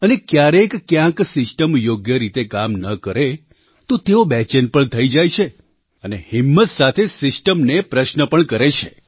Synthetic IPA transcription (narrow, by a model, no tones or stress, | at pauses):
ənekjaɾekːjãksɪsʈəmjoɡjəɾit̪ekamnəkəɾe | t̪ot̪eobɛt͡ʃənpəɳt̪ʰəid͡ʒajt͡ʃʰe | ənehimːət̪sat̪ʰesɪsʈəmnepɾəʃnəpəɳkəɾet͡ʃʰe